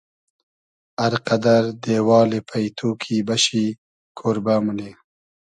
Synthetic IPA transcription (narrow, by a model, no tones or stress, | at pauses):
aɾqad̪aɾd̪ewɑːlepʰajt̪ʰokʰibaʃi | kʰoɾbamune